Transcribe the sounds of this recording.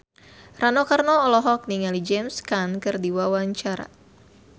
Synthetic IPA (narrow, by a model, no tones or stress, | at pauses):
ranɔkarnɔːlɔɦɔk̚niŋalid͡ʒɛmskankɨrdiwawaɲt͡ʃaɾa̰